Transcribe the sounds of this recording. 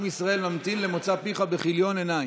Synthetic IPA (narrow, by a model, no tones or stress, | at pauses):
misʁaʔe̞lmamt̪inle̞mot͡sapiχabeχiljo̞nenaj